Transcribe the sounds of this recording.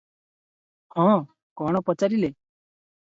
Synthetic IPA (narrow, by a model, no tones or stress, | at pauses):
hɔ̃ | kɔɽ̃ɔpɔt͡ʃaɾile